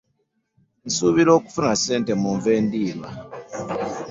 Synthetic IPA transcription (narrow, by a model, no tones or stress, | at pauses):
n̩suβilo̞ːku̥funase̞ːnte̞muɱveːndiːlwa